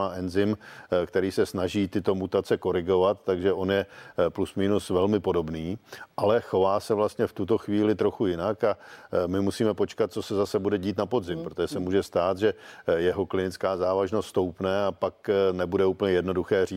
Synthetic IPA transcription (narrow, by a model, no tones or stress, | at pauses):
aʔɛnzɪmkt̪ɛɾiːsɛsnaʒiːt̪ɪt̪o̞mut̪at͡sɛko̞ɾɪɡo̞vat̪ːaɡʒɛo̞njɛplusmiːnusvɛlmɪpo̞do̞bniːʔalɛxo̞vaːsɛvlast̪ɲɛft̪ut̪o̞xviːlɪt̪ɾo̞xujɪnakamɪmusiːmɛpo̞t͡ʃkat̪̚t͡sosɛzasɛbudɛɟiːt̪napodzɪmpɾot̪oʒɛsɛmuːʒɛst̪aːt̪ʒɛjɛɦo̞klɪnɪt͡skaːzaːvaʒnost̪st̪o̞wpnɛapaknɛbudɛuːpəɲɛjɛdno̞duxɛːriː